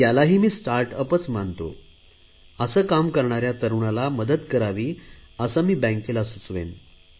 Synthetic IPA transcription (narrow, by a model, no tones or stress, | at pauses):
jalaɦiːmiːsʈaɾʈəpət͡smant̪o̰ | əsəːkamkəɾɳaɾjat̪əɾuɳalaməd̪ət̪kəɾaʋiːəsamiːbɛ̃ŋkelasut͡sʋḛn